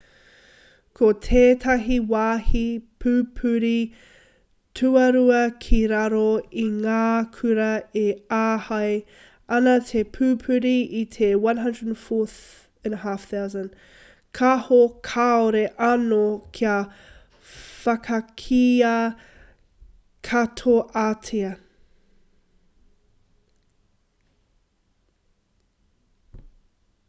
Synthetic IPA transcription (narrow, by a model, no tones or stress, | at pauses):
kʰotʰeːtʰɐɦiwaːhipʰʉpʰʉɾi | tʰʉɐɾuɐkʰiɾɐɾoiŋaːkʰʉɾɐeaːhɐj | ɐnɐtʰepʰʉːpʰʉɾiitʰewɐ̃nɦɐ̃ndɹədnfɔθ | ɛ̃nhafθawzə̃n | kʰahokʰaoɾeʔɐnokʰiɐ | fɐkʰɐkʰiɐ | kʰɐtʰoʔatʰeɐ